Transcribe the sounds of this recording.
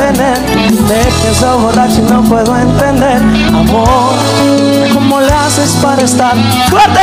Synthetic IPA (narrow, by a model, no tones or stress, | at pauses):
eneɾ | d̪epesowβorat͡ʃinɐ̃w̃pweðoẽnt̪ẽnd̪eɾ | amo | ɾ | komoleasespaɾest̪aɾ | t̪uad̪e